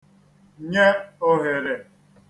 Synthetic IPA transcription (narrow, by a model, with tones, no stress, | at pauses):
ɲe˦o˦ɦe˨ɾe˨